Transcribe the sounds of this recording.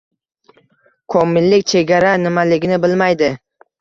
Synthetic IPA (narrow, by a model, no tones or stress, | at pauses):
kʰomːɪlːɪkʲt͡ʃʰe̞ɡʲaɾanɪmalɪɡʲɪnɪbɪlmajd̪ɪ